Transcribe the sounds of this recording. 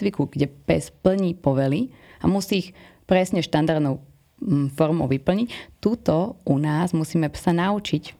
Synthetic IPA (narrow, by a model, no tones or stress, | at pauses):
ʋikuɡɟɛpɛspl̩ɲiːpɔʋɛliamusiːx | pɾɛsɲɛʃt̪and̪aɾd̪nɔʊ | fɔɾmɔʊʋipl̩ɲict̪ut̪ɔʔunaːzmusiːmɛsanaut͡ʃic